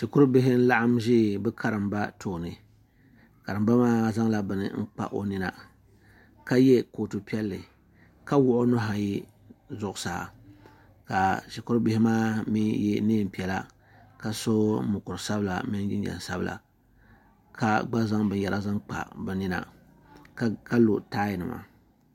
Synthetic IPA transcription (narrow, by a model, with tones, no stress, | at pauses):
ʃi˨kʊ˦ɾbɪ˦ɦɪ˦n̩˦la˦ʔa˦mʒɪː˦bɨ˦kʰa˦ɾɨ˨mba˦tʰoː˨nɨ˨ | ka˨ɾɨ˨mba˦maː˦za˦ŋla˦bɨ˨nɨ̰˨ŋ̩˦k͡pa̰˦ʔo˨nɪ˦na˦ | ka˦jɛ˦ko˨tu˨pi˦ɛ˦lːɨ˨ | ka˦wʊ˦ʔʊ˦nʊ˦ɦa˨ji˦ | zʊ˦ʔʊ˨˦saː˨ | ka˨ʃi˨kʊ˦ɾbɪ˦hɪ˦maː˦mi˦jɛ˦neː˦m̩˨pi˨ɛ˨la˦ | ka˦so˦mʊ˨kʊ˨ɾɨ˨sa˦bɨ˦la̰˨mɪ˦n˦d͡ʒɪ˦n˦ɛ̰˨n˨sa˦blʔa̰˨ | kʰa˦ɡ͡ba˦za˦ŋbɨ˦n˦jɛ˨ɾʔa˦za˦ŋk͡pa̰˨bɨ˨nɪ˦na̰˦ | ka˦lo˨taː˦jɪ˨nɨ̰˨ma̰˨